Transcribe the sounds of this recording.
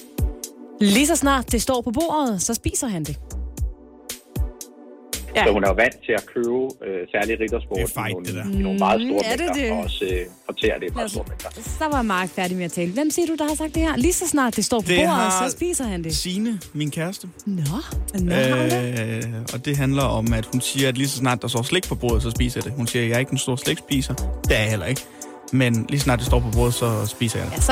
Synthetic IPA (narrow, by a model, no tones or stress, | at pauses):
lisɒ̽snɑ̰̈ːd̥ːe̝sd̥ɒ̰ːpʰɒ̽b̥o̝̰ːɐð̞̩ˠsɒ̽sb̥ḭːsɐɦænd̥e̝ | jɒhunæʋæn̰d̥̚t͡sʰe̝ækʰøːʊøsæɐliʁid̥ɐsb̥o̰d̥nnomɑ̈ːð̩ˠso̝ːɐmedeɐdeɒsøfɒt͡sʰḛːɐd̥e̝̥do̰ɐmenɡ̥ɐsɒ̽ʋɑ̈jɑmɑ̥̈ːfæɐɾimeæt͡sʰɛ̰ːləʋem̰siːɐɾ̥ud̥ɑ̈hɑ̈sɑ̈ɡ̥̚d̥ehæɐlisɒ̽snɑ̰̈ːd̥ːe̝sd̥ɒ̰ːpʰdɒb̥o̝̰ːɐðˠsɒ̽sb̥ḭːsɐhænd̥e̝siːnəminkʰæɐsd̥ənɔø | ɒ̽d̥e̝ɦænlɐɒ̽mæd̥hunsiːɐæd̥lisɒ̽snɑ̈ːd̥ːɑ̈sd̥ɒ̰ːsle̝ɡ̥̚pʰɒ̽b̥o̝̰ːɐð̩ˠsɒ̽sb̥ḭːsɐjɑ̈d̥e̝hunsiːɐjɑɐe̝ɡ̥̚d̥enso̝ːɐsleɡ̥sb̥ḭːsɐd̥eæɐhel̰ɐe̝ɡ̥ | menlisnɑ̈ːd̥esd̥ɒ̰ːpʰɒ̽b̥o̝̰ːð̩ˠsɒ̽sb̥ḭːsɐjɑ̈de